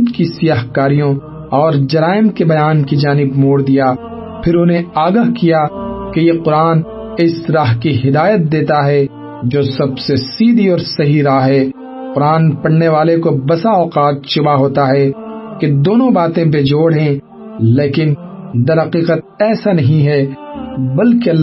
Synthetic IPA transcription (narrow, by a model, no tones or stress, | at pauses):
t̪kisɪjaːɦkaːɾijõ | ɔːɾd͡ʒɐɾaːɪmkebɐjaːnkid͡ʒaːnɪbmoːɽd̪ija | pʰɪɾʊnẽaːɡəɦkijakejeqʊɾaːn | ɪsɾaːɦkiɦɪd̪aːjət̪̚d̪eːt̪aɦɛ | d͡ʒoːsɐbsesiːd̪ʱiɔːɾsɐɦiɾaːɦɦɛ | qʊɾaːnpɐɽneʋaːlekobɐsaɔːqaːt̪̚ʃʊbaɦoːt̪aɦɛked̪oːnõbaːt̪ẽp̬ed͡ʒoːɽɦɛ̃ | leːkɪn | d̪ɐɾɦɐqiːqət̪̚ɛːsanɐɦĩɦɛ | bɐlkeɐlː